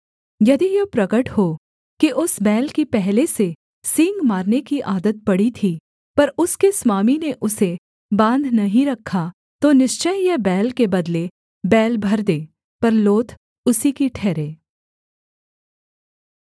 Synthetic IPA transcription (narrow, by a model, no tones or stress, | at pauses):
jɐd̪ijopɾɐɡəʈho | kiʔʊsbɛːlkipɛɦlese | sɪ̃ːŋɡmaːɾnekiʔaːd̪ət̪̚pɐɽit̪ʰi | pɐɾʊskeswaːmineʔʊse | bãːnd̪ʱnɐɦĩɾɐkʰːa | t̪onɪʃt͡ʃəjjɛbɛːlkebɐd̪le | bɛːlbʱɐɾd̪eː | pɐɾloːt̪ʰ | ʊsikiʈʰɛːɾeː